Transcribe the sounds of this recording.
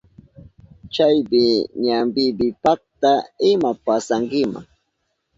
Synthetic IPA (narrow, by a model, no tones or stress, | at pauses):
t͡ʃajbɪɲambɪbɪpak̚t̪aɪmapasaŋkɪma̰ŋ